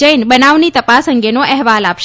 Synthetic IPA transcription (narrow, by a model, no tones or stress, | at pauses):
əjnbənaʋnit̪əpasə̃ŋɡenoʔɛɦʋalapʃ